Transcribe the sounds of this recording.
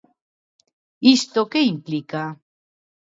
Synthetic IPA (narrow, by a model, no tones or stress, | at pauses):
ist̪okeimplika